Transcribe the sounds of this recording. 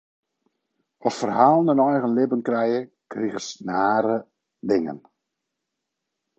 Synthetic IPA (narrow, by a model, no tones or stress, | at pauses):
ɔffərhaːlˠnənɔjɣənlɪbənkrɛjə | kriɣəsnaːɾə | dɪŋə̰n